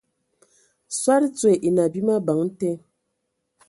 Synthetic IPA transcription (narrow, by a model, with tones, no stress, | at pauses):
swa˦ɾt͡swe˨ʔi˨na˨bi˦ma˦ba˨˦ŋ̩˦te˦